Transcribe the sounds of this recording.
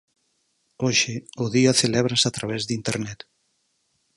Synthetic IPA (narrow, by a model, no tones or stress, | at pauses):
oʃɪʊðiaθelɛβɾasat̪ɾaβɛzðint̪eɾnɛt̪